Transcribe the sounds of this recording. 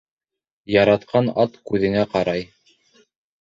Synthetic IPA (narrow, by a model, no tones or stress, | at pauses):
jɑɾɑt̪qʰɑnɑt̪kʉðɘ̆ŋæqɑɾɑj